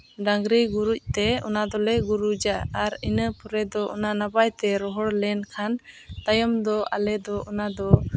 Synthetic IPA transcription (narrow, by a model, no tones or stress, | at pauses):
ɖãŋɡɾiɡuɾuc̚t̪ɛɔ̰nad̪ɔlɛɡuɾud͡ʒaːɾinəpɔɾɛd̪ɔʔɔ̰nanabajt̪ɛɾɔɦɔɽlɛnkʰant̪ajɔmd̪ɔʔa̰lɛd̪ɔʔɔnad̪ɔ